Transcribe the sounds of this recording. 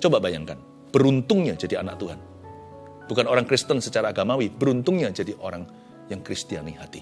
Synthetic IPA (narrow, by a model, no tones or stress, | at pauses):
t͡ʃobabajaŋkan | b̥əɾunt̪ʊŋɲad͡ʒadia̰na̰k̚t̪uɦan | bukanoɾaŋkɾist̪ənsət͡ʃaɾaːɡamawibəɾunt̪ʊŋɲad͡ʒadiʔoɾaŋ | jaŋkɾist̪ianihat̪i